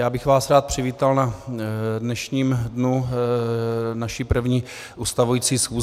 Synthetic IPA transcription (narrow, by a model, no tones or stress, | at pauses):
jaːbɪxvaːsɾaːt̪̚pr̝̥ɪviːt̪alna | dnɛʃɲiːmdnu | naʃipr̩vɲiː | ʔuːst̪avujiːt͡siːsxuː